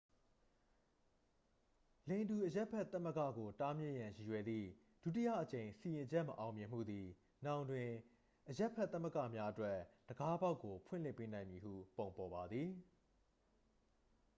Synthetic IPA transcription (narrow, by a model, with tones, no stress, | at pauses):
lẽ˨ɪ̃ndu˨ʔəja˦ʔpʰɛ˦ʔt̪ːa˦mə˦kä̰˦˨ɡo˨ta˦mjɪ̰̃˦ʔjã˨ji˨jwɛ˨d̪ðḭ˦˨ | d̥u˦˨ti˦ja̰˦˨ʔət͡ɕẽ˨ɪ̃si˨jɪ̃˨d͡ʑɛ˦ʔməʔã˨ʊ̃mjɪ̃˨m̥ṵ˦˨d̪i˨ | nã˨ʊ̃ndwɪ̃˨ | ʔəja˦ʔpʰːɛ˦t̪a˦˨mə˦˨kä̰˦˨mja˦ʔətwɛ˦d̥əɡa˦ba˦ʊkːo˨pʰwɪ̰̃˦˨l̥ɪ˦˨pːe˦nã˨ɪ̃mji˨ɦṵ˦˨põ˨ʊ̃mpɔ˨ba˨d̪ði˨